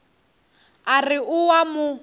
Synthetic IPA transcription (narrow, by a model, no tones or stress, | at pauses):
arɪʔʊwamʊ